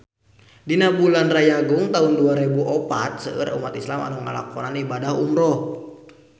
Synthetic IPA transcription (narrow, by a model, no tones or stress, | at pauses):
dinabulanrajaɡʊŋt̪aunduaɾebuʔɔpat̪̚səə̰ɾṵmat̪islama̰nuŋa̰la̰kɔnanibadahṵmɾɔh